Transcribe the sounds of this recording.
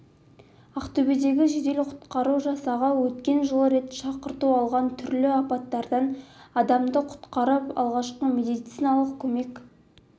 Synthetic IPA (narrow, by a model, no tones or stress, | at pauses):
ɑqt̪obed̪e̞ɡʲɪʒed̪e̞lɪqʰʊ̥t̪qɑɾuʒɑsɑʁɑwɵt̪kʲe̞nʒəlˠɾe̞t̪ʃɑqəɾt̪uɑlˠʁɑnt̪ʰʏɾlɪɑpɑt̪ːɑɾd̪ɑnɑd̪ɑmd̪əqʰʊ̥t̪qɑɾəpɑ̰lˠʁɑʃqəmed̪it̪sijnɑlˠəq̚kʲʰɵme̞kʲ